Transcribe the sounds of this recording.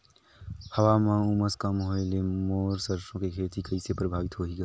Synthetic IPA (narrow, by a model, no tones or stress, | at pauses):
həwamãuməskamɦoɪlemoːɾsəɾsõkekʰeːt̪ikəɪsepɾəbʱaːʋit̪ɦoɦiɡa